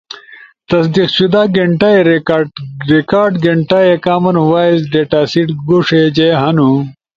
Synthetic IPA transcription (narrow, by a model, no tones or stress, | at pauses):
t̪ɐsd̪iqɕud̪aːɡeɳʈaeɾeaɾekaːɾɖɡeɳʈaːjekaːmɐnwaːizɖeːʈaːsiʈɡuʂed͡ʑeɦɐnu